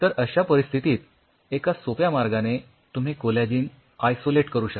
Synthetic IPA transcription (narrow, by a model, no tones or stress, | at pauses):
t̪əɾəɕapəɾist̪ʰit̪iːt̪ | ekasopjamaɾɡane | t̪um̤ikoljad͡ʑiːn | ajsoleʈkəɾuːɕə